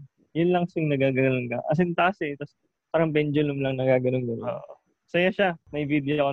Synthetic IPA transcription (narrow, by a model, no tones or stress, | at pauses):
jʊnlɐŋsɪŋnɐɡaːɡɐnnonkɐʔɐ̰s̬ɪnt̪aɐsɛt̪ɐs | paːɾɐŋbɛnd͡ʒʊlʊmlɐŋnɐɡaːɡɐnonɡɐno̰ːʔ | sɐjaʃamɐjvid̪oko